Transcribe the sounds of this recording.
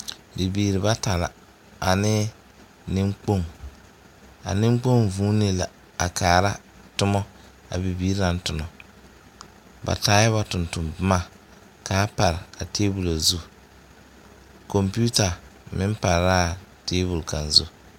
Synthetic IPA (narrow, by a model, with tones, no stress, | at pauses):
bi˨biː˨ɾɪ˨ba˦ta˨la̰˨ | a˨nɪ˦ | nɪ˦ŋ͡mk͡po˦˨ŋ | a̰˨nɪ˦ŋ͡mk͡po˦ŋvuː˦nɪ˦la˨ | a˨kʰaː˨ɾa˦ | tʊ˦mɔ˦ | a̰˨bi˨biː˦ɾa˦n˦tʊ˨nɔ˨ | ba̰˨taː˨˦jɛ˦βa˨tʊ˨ntʊ˨mbma˦˨ | ka˨˦pa˨ɾɪ˨a˨teː˦bu˨la˨zu˦ | ko˨mpi˦u˦ta˨mɪ˦m˦pa˨ɾɾa˦˨teː˦bu˨lka˨nzṵ˦